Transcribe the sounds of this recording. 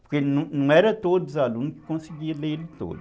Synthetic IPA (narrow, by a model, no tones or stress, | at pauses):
pʊɾkenɐ̃nɐ̃w̃ɛɾɐt̪od̪uzalũnukɪ̥kõsiɡiɐlelɪt̪o̰d̪